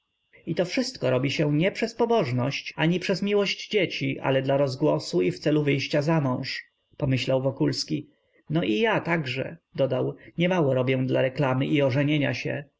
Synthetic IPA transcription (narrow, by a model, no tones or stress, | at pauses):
it̪ɔfʂɘst̪kɔɾɔbʲiɕɛ̃ɲɛpʂɛspɔbɔʐnɔɕt͡ɕaɲipʂɛzmʲiwɔɕd͡ʑd͡ʑet͡ɕiʔa̰lɛd̪laɾɔzɡwɔsuift̪sɛluvɘjɕt͡ɕazamɔ̃w̃ʂ | pɔmɘɕlawvɔkulskʲi | nɔʔijat̪aɡʐɛ̰d̪ɔd̪awɲɛmawɔɾɔbʲjɛ̃d̪laɾɛklamɘʔiɔʐɛɲeɲa̰ɕɛ̰